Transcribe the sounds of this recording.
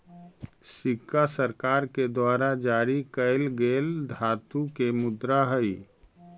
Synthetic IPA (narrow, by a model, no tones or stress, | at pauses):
sikːasəɾkaɾked̪waɾad͡ʒaɾikəɪlɡeld̪ʱat̪ukemud̪ɾaɦəj